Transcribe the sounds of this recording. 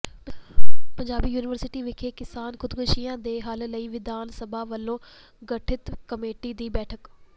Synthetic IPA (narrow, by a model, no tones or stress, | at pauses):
pəɲd͡ʒaːbiːjuːnɪʋəɾsɪʈiːʋɪkʰeːkɪsaːnkʰʊd̪kʰʊʃijãːd̪eːɦalləiːʋɪd̪aːnsəbaːʋəlːõː | ɡəʈʰɪt̪kəmeːʈiːd̪iːbɛːʈʰək